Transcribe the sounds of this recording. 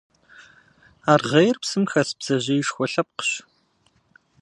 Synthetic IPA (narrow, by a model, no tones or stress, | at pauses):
aːrʁejrpsɨmxɐsbz̥ɐʑɐjʃxʷɔɬɐp̚qə̥ɕ